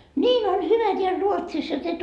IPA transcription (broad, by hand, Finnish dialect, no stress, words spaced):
nʲiːn on hyʋæ teæl ruotsis jot et